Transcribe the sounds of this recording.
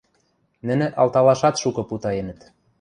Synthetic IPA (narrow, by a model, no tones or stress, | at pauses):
nɘ̆nĕʔɑlt̪ɑlɑʃɑt̪ʃukɤ̆put̪ɑenə̆t̪